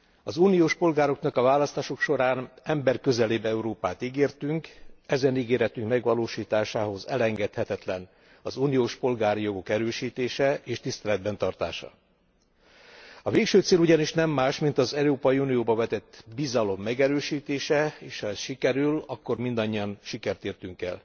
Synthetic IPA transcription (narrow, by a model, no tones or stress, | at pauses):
ɒzuːnijoːʃpo̞lɡaːɾo̞knɒkɒvaːlɒst̪aːʃo̞kʃo̞ɾaːnɛmbɛrkø̞zɛleːbɛuɾoːpaːt̪iɡeːrt̪yŋkɛzɛniɡeːɾɛt̪yŋkmɛɡʋɒloːʃiːt̪aːʃaːho̞zɛ̰lɛŋɡɛt̪hɛt̪ɛt̪lɛn | ɒzuːnijoːʃpo̞lɡaːɾijo̞ɡo̞kɛɾøːʃiːt̪eːʃɛʔeːʃt̪ist̪ɛlɛd̪̚bɛnt̪ɒrt̪a̰ːʃɒ̰ | ɒveːkʃøːt̪seːluɟɒniʃnɛmːaːʃmint̪ɒzɛɾoːpɒjiunijoːbɒvɛt̪ɛt̪ːbizɒlo̞mːɛɡɛɾøːʃiːt̪eːʃɛeːʃhɒɛsʃikɛɾylɒkːo̞rmind̪ɒɲːiɒnʃikɛrt̪eːrt̪yŋkɛ̰l